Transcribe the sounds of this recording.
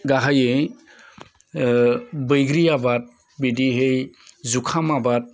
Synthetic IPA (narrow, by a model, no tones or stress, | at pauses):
ɡaɦajɯj | bɯjɡɾijabat̚ | bidiɦejzukʰamabat̚